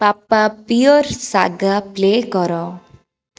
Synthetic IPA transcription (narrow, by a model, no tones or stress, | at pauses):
papapiɔɾsaɡaplekɔɾɔ